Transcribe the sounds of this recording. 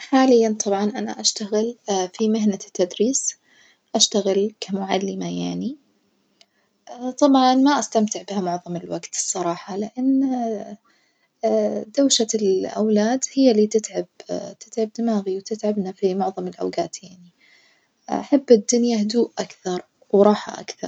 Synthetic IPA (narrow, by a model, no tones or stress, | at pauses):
ħaːlɪjːant̪ˤʰɑbʕɑnʔana̰ʔaʃt̪aɣɪlfimɪɦnat̪ːad̪ɾiːs | ʔaʃt̪aɣɪlkamʊʕa̰lːɪmajaʕni | ʔt̪ˤɑbʕɑnmaʔast̪amt̪ɪʕbɪhamʊʕðˤɑmɪlwaɡt̪ɨ̥sˤːɑɾˤɑːħɑlɪʔanː | d̪awʃalʔa̰wlaːd̪hɪjːaliːt̪ɪt̪ʕabt̪ɪt̪ʕab̚d̪ɪmaːɣiwt̪ɪt̪ʕabnafimʊʕðˤɑmɪlʔa̰wɡaːt̪jaʕni | ʔaħabːɪd̪ːʊnjahd̪uːʔʔakθɑɾˤ | wɾˤɑːħa̰ʔa̰kθɑ̰ɾˤ